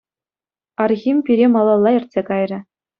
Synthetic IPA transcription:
ɑrɣʲimʲpʲiɾʲemɑlˠɑlˠːɑɘ̆rʲtʲsʲekɑjrʲɘ̆

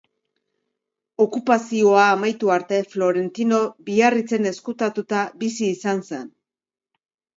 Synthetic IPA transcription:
o̞kupasio̞aːmajt̪uaɾt̪e̞flo̞ɾe̞nt̪ino̞biarit͡se̞ne̞skut̪at̪ut̪abisiːsanse̞n

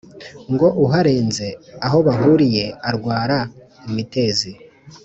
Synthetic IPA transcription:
ŋɡo̞ʔuɦaɾe̞ːnze̞aɦo̞βaɦuɾije̞aɾɡwaːɾa | imite̞ːzi

